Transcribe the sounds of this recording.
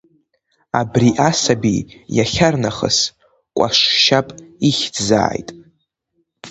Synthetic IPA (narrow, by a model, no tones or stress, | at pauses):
abriʔasabḭjaχʲarnaχə̰s | kʷʼa̰ʂʃapʼiχʲdza̰ːjtʼ